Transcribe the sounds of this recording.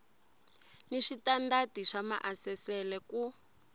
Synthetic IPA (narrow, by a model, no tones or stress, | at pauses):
niʃitandatiʂama̰ʔasɛsɛlɛku